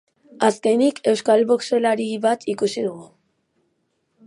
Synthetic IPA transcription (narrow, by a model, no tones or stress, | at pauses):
aske̞nikʰe̞wskalβokse̞laɾiβat̪ʰikusiðuɣu